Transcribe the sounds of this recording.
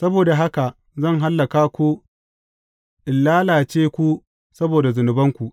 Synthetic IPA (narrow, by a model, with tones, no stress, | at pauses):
sɐ˦boː˨da˨ɦa˦ka˨ | zɐ˦˨ŋɦa˦lːɐ˨kaː˦kʷu˦ | ʔɪ˨lːaː˦laː˨t͡ʃeː˦kʷu˦ | sɐ˦boː˨da˨zʊ˨nʊ˨bɐ˦ŋkʷu˨ʔ